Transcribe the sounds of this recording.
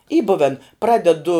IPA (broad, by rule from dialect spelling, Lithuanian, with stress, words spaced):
iː ˈbʊʋʲɛn ˈprɑːdʲɛdʊ